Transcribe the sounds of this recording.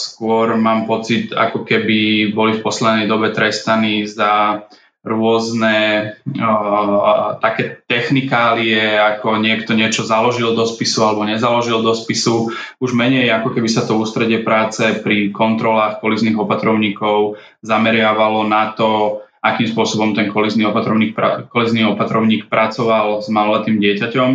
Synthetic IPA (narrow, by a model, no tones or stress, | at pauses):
skʊɔɾmaːmpɔt͡sit̪a̰kɔkɛbibɔlifpɔslɛd̪nɛjd̪ɔbɛt̪ɾɛst̪aniza | ɾʊɔznɛ | t̪akɛːt̪ɛxnikaːliɛakɔɲɪɛkt̪ɔɲɪɛt͡ʃɔzalɔʒild̪ɔspisualɛbɔɲɛzalɔʒild̪ɔspisu | uʒmɛɲɛjakɔkɛbisat̪ɔuːst̪ɾɛɟɪɛpɾaːt͡sɛpɾikɔnt̪ɾɔlaːxkɔlizniɣɔpat̪ɾɔʊɲiːkɔʊ | zamɛɾɪaʋalɔnat̪ɔ | akiːmspʊɔsɔbɔmt̪ɛŋkɔlizniɔpat̪ɾɔʊɲiːk̚pakɔlizniɔpat̪ɾɔʊɲiːk̚pɾʔat͡sɔʋalzmalɔlat̪iːmɟɪɛcacɔm